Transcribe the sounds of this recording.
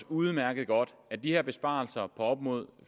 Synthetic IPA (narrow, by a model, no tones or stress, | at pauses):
uð̩ˠmæɐɡ̥əð̞̩ˠɡ̥ɒ̽d̥æd̥iheɐb̥e̝sb̥ɑ̰̈ːl̩sɐpʰɒ̽ɒ̽b̥mo̝ð̞̰ˠ